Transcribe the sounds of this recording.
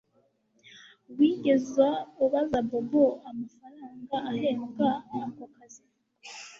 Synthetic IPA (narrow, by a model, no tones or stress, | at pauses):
wiːɟe̞zwauβazaboboamafaɾaːŋɡaaɾe̞ːŋɡaakokazi